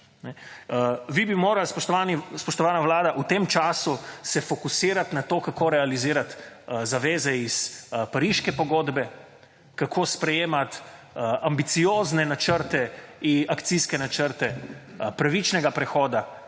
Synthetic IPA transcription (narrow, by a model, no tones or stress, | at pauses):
nɛ | ʋibimoːɾalspɔʃt̪ɔʋanispɔʃt̪ɔʋaːnaʋlaːd̪aʔut̪eːmt͡ʃaːsusɛfɔkusiːɾat̪nat̪oːkakoːɾɛaliziːɾat̪zaʋeːzɛispaɾiʃkɛpɔɡoːd̪bɛ | kakʰoːspɾɛjeːmat̪ | ambit̪sijoːznɛnat͡ʃəɾt̪ɛiakt̪siskɛnat͡ʃəɾt̪ɛpɾaʋit͡ʃnɛɡapɾɛxɔːd̪a